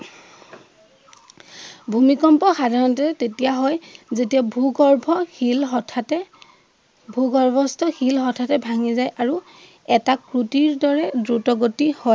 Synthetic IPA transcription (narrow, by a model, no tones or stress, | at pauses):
bʱumikɔmpɔxadʱaɹɔnɔtɔɹɛtetijaɦɔjzetiabʱuɡɔɹbʱɔlʰ | bʱuɡɔɹbʱɔstʰɔxilxɔtʰatɛbʱaŋizajʔaɹu | ɛtakɹutiɹdɔɹɛdɹutɔɡotihɔj